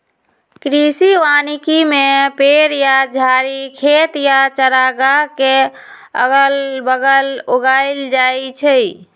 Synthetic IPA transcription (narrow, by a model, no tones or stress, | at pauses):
kɾisiʋanikimepeɾjad͡ʒʱaɾikʰet̪jat͡ʃəɾaɡake | ə̰ɡəlbəɡəloɡaɪld͡ʒajt͡ʃʰɛ